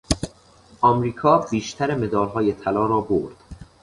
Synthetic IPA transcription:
ʔɒːmɾiːkʰɒːbiːʃt̪ʰæɾeme̞d̪ɒːlɦɒːjet̪ʰælɒːɾɒːboɾd̪̥

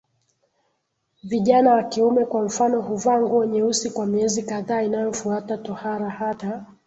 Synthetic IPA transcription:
viʄanawakiumɛkwam̩fanɔɦuvaŋɡuɛɲɛusikwamiɛzikaðaːinajɔfuatatɔhaɾahata

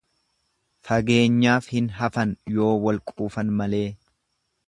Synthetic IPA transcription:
fɐɡe̞ːɲːaːfhɪnɦɐfɐnjo̞ːwɐlkʼuːfɐnmɐle̞ː

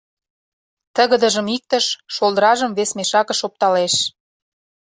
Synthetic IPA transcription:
t̪əɣə̆d̪ə̆ʒə̆mik̚t̪əʃʃolˠd̪əɾɑʒəmβesmeʃɑkə̆ʃop̚t̪ɑleʃ

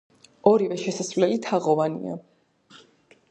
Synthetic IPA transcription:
ɔɾivɛʃɛsasvlɛlit̪ʰaʁɔvanḭa̰

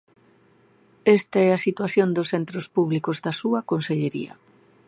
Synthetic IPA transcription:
est̪ɐɛasit̪waθjond̪ʊsθent̪ɾospuβlikozðɐsuɐkonseʎeɾḭɐ̰

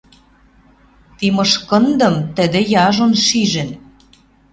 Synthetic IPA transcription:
t̪imɤʃkɤ̆nd̪ɤ̆mt̪ə̆d̪ĕjɑʒonʃiʒɘ̆n

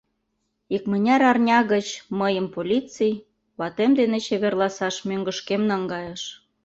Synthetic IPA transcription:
ikmə̆nʲɑɾɑrnʲɑɣət͡ɕməjəmpolʲit͡sij | βɑt̪emd̪enet͡ɕeβerlɑsɑʃmøŋɡə̆ʃkemnɑŋɡɑjeʃ

